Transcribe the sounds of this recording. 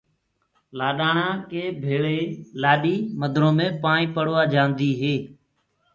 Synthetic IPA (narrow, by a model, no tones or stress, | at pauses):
laːɗaːɳãːkeːbʱeːɭeːlaːɗiːməd̪ʱɾõːmẽːpãːɳĩːpəɽoːaːd͡ʒãːnd̪iːɦeː